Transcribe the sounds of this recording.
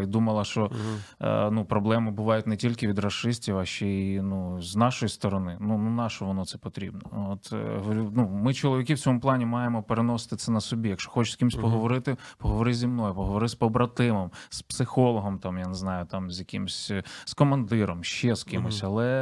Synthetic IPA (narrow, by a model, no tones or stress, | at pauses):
id̪umɐlˠɐʃt͡ʃɔ̰ | nupɾɔblˠɛmɪbʊʋɑjʊtʲnɛtʲilʲkɪʋʲid̪rɐʃɪsʲtʲiwaʃt͡ʃɛinuznɑʃɔjist̪ɔɾɔnɪnununɑʃɐʋɔnɔt̪sɛpɔt̪ɾʲḭbnɔɔt̪ʲnumɪt͡ʃɔlˠɔʋʲikiwt͡sʲɔmʊplˠɑnʲimɑjemɔpeɾenɔsɪ̥t̪ɪt̪sɛnɐsɔbʲijɐkʃɔ̥xɔt͡ʃɪ̥sʲkʲimsʲpɔɦɔʋɔɾɪt̪ɪpɔɦɔʋɔɾɪzʲimnɔjʊpɔɦɔʋɔɾɪspɔbɾɐt̪ɪmɔmspsɪxɔlˠɔɦɔmt̪ɑmjaneznɑjʊt̪ɑmzʲjɐkimɪsʲskɔmɐnd̪ɪɾɔmʃt͡ʃɛskɪmɪsʲɐlˠɛ